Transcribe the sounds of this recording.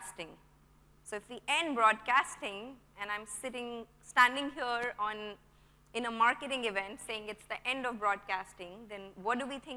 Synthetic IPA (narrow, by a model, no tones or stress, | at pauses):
sʈɪ̃ŋ | soːɪfʋiʔɛ̃ɳɖbɾɔːɖkæsʈɪ̃ŋ | ɛ̃nãɪ̃msɪʈɪ̃ŋ | sʈæ̃nɖɪ̃ŋɦiəɾɔ̃ːn | ɪ̃nəmaːɾkɪʈɪ̃ŋɪʋɛ̃nʈseːɪ̃ŋɪʈsd̪əʔɛ̃ɳɖɔvbɾɔːɖ̚kæsʈɪ̃ŋd̪ɛ̃nʋɔt̚duʋiːt̪ʰɪ̃ŋ